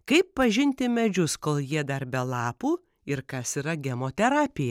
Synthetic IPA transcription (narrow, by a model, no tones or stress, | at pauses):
kɐɪppɐʒʲɪnʲt̪ʲɪmʲɛd͡ʒʲʊskoːlˠjiɛd̪ɐɾbʲɛlˠɑːpuː | ɪɾkɐsiːɾɐɡʲɛmoːt̪ʲɛɾɑːpʲɪjɛ